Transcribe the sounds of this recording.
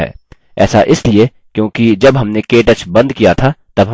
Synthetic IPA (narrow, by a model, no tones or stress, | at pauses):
ɛ̰ː | ɛ̰ːsaʔɪslie | kjõːkid͡ʒɐbɦɐmnekeːʈɐt͡ʃbɐ̃nd̪kijat̪ʰat̪ɐbɦɐ